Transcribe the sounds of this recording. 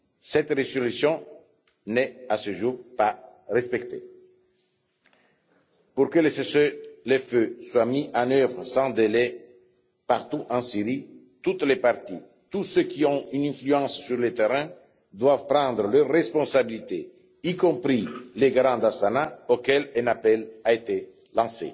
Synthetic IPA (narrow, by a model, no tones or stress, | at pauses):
sɛt̪ʁezolysjɔ̃ | nɛasəʒuʁpaʁɛspɛkt̪ḛ | puʁkəlesesøleføswamiʔɑ̃nøvʁəsɑ̃d̪elɛ | paʁt̪uʔɑ̃siʁi | t̪ut̪lepaʁt̪i | t̪usøkiɔ̃ynɛ̃flyɑ̃sːyʁlet̪eʁɛ̃ | d̪wavpʁɑ̃d̪ʁəløʁːɛspɔ̃sabilit̪e | ikɔ̃pɾileɡɾɑ̃d̪asanaokɛlɛ̃napɛlaet̪e | lɑ̃sḛ